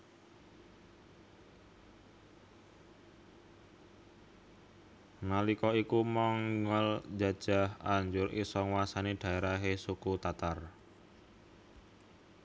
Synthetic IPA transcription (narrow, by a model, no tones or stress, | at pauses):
nalikɔikumɔŋəld͡ʒa̤d̥ʒ̥a̤haɲd͡ʒʊɾʔḭsɔŋwasaneɖ̥a̤eɾaɦesukut̪at̪ar